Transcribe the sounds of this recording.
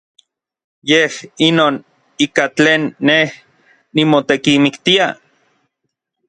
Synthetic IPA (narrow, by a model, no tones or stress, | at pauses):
jehinoːn | iːkat͡ɬeːnːeh | nimot̪ekimikt̪ia